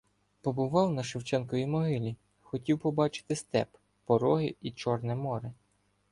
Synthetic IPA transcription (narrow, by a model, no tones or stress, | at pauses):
pɔbʊʋɑwnɐʃɪwt͡ʃɛnkɔʋʲimɔɦɪlʲi | xɔtʲiwpɔbɑt͡ʃɪ̥t̪ɪst̪ɛ̰p | pɔɾɔɦɪit͡ʃɔrnɛmɔɾɪ